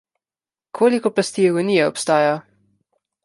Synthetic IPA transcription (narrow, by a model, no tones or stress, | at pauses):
kʰoːlikɔplast̪ijɛɡɔniːjɛɔpst̪aːja